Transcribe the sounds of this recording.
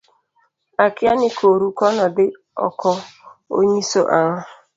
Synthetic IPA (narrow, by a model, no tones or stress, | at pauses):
akɪanɪkʰoɾukɔnɔbɪ | ɔ̰kʰɔo̰ɲeso̰ʔaŋʊ